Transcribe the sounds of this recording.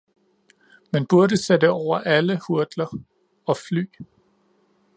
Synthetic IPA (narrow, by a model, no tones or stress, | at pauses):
menb̥uɐɾəsed̥əɒʊ̰ɐʔæləhuɐd̥lɐ | ɒ̽fly̰ː